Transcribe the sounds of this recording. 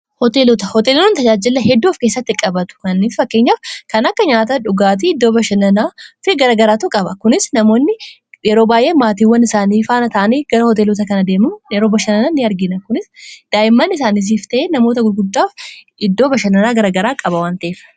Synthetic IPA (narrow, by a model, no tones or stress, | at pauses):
hɔt̪e̞ːlɔt̪ɐhɔt̪eːlɔnt̪ɐd͡ʒaːd͡ʒɪlːɐhɛd̪ːuːfkeːsːɐt̪ːɪkʼɐbɐt̪ʊ̥kɐnːiːffɐkːe̞ːɲːaːfkɐnɐkːɐɲaːt̪ɐᶑʊɡaːt̪̬iɪd̪ːo̞ːbɐʃɐnɐnaːfɪɡɐɾɐɡɐɾaːt̪ukʼɐbɐkʊnɪsnɐmo̞ːnːɪ | jɛɾoːbaːjʔe̞ːmaːt̪̬iːwːɐnɪsaːniːfaːnɐt̪ɐʔɐniːɡ̥ɐɾɐhɔt̪eːloːt̪ɐkɐnɐd̪e̞ːmɐmjɛɾoːbɐʃɐnɐnɐnːɪɐɾɡɪnɐkʊnɪsd̪̥aːʔɪmːɐnːɪs̬aːniːs̬iːft̪ɐʔeːnɐmo̞ːt̪ɐɡʊɾɡʊd̪ːaːf | ɪd̪ːo̞ːbɐʃɐnɐnaːɡɐɾɐɡɐɾaːkʼɐbɐwaːnt̪ɐʔeːfɐ̥